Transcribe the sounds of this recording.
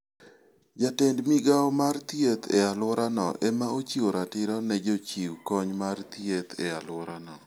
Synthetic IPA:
d͡ʒatendmiɡawmart̪jet̪ʰealʊɾanɔ̰ʔemaot͡ʃioɾatɪɾɔnɛd͡ʒot͡ʃiwkɔɲmart̪iet̪ealʊɾanɔ

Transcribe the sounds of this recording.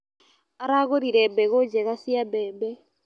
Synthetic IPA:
aɾaɣoɾiɾɛbɛɣod͡ʒɛɣasiabɛːbɛ

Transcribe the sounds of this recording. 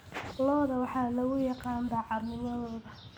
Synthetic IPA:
lɔːðɐwɑħɑːlɐɣʊjɑqɑːmbɐʕɑdnɪmɐðɔːðɐ

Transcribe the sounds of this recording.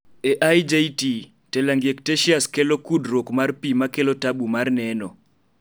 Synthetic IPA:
eʔajd͡ʒejti | tɛlaŋɡjekteʃiaskelokudɾokmarpimakelɔtaɓumarnɛnɔ

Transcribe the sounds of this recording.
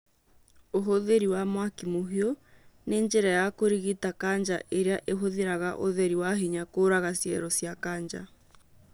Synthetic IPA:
oɦoðeɾiwamwakimoɦiɔneɲd͡ʒɛɾajakoɾiɣitakaɲd͡ʒaʔeɾeaʔeɦoðeɾaɣaʔo̰ðeɾiwaɦiɲakoɾaɣasjɛɾɔsjakaɲd͡ʒa̰

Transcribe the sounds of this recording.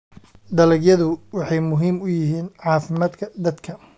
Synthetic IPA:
d̪ɐlɛɡjɐðʊwɑħɑjmʊɦiːmʊjɪɦiːnʕɑːfɪmaːd̪kʰɐd̪ɐd̪kʰɐ

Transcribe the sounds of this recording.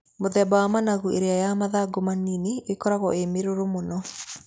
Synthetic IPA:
moðɛbawamanaɣueɾeajamaðaɡomanineekɔɾaɣɔʔemeɾoɾomonɔ

